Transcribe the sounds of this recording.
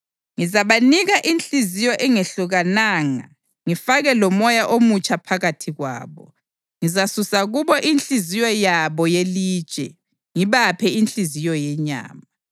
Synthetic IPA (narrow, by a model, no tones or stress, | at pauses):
ŋizaβaniɣaʔint͡ɬizijɔʔɛŋeɬuɣanaːŋa̰ | ŋifaɣɛlɔmɔjaʔomut͡ʃʼapʰaɣatʰiɣwa̰ːβɔ̰ | ŋizasusaɣuβɔʔint͡ɬizijɔjaβɔjeli̥ːt͡ʃʼɛ̰ | ŋiβapʰɛint͡ɬizijɔjɛɲa̰ːma